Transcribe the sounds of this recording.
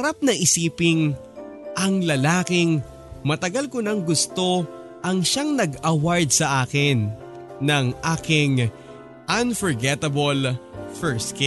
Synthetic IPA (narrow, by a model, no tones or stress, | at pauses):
ɐɾap̚nɐʔɪsiːpɪŋ | ʔɐŋlɐlaːkɪŋ | mɐt̪ɐɡɐlkʊnɐŋɡʊst̪o̞ | ʔɐŋʃaŋnɐɡɐwaɹd̪̚sɐʔaːkɪnː | ɐŋʔaːkɪŋ | ʔɐnfɔɹɡɛt̪ɐbɐlfɛɹsk